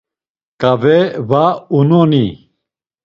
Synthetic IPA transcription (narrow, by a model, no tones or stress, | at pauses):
kʼavɛvaunɔni